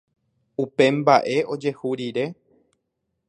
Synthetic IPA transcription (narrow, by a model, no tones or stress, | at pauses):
upe̞mbaʔe̞o̞d͡ʒe̞huɾiɾe̞